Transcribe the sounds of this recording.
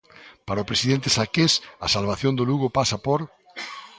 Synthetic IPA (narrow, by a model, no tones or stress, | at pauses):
paɾaʊpɾesiðent̪esakesasalβaθjond̪ʊluɣʊpasɐpoɾ